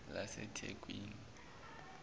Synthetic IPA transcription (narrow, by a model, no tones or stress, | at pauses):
lasɛtʰekʼwiːŋi